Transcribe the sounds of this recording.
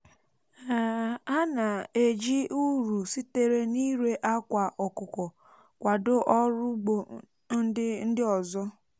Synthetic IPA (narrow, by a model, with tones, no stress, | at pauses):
a˨a˦na˨e˨d͡ʒi˦u˦ɾu˨si˦te˦ɾe˦ni˦ɾe˦ʔa˦kʷa˨ʔɔ˨kʊ˨kɔ˨ | kʷa˨dʊ˦ʔɔ˦ɾʊ˦ɡ͡bo˨ | n̩˦ɪ˦n̩˦dɪ˦ɔ˨zɔ˦